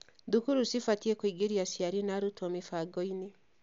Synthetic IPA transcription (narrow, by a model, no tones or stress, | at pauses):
dukuɾusifatiekwiɡeɾiasiaɾinaɾutwɔmifaɡɔine